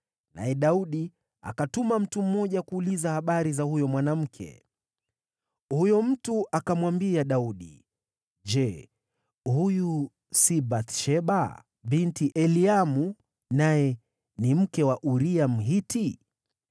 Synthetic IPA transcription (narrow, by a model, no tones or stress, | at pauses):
na̰jɛɗauɗi | a̰katumam̩tum̩mɔʄakuːlizahaɓaɾizahujɔmwanam̩kʰɛ̰ | hujɔm̩tuʔakamwambiaɗauɗḭ | d͡ʒɛ | huju | sibaθʃɛɓa | ɓintiʔɛliamu | najɛ | nim̩kɛwaʔuɾiam̩ɦiti